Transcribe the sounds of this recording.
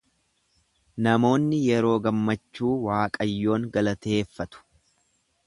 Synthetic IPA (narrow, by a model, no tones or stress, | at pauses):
nɐmo̞ːnːɪjɛɾo̞ːɡɐmːɐt͡ʃːuːwaːkʼɐjːo̞ːŋɡɐlɐt̪eːfːɐt̪ʊ̥